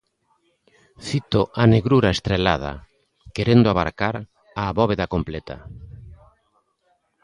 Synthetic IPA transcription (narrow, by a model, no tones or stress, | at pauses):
θit̪oʔaneɣɾuɾaest̪ɾelað̞a̰ | keɾend̪oaβaɾkaɾ | aβɔβeðakomplet̪a̰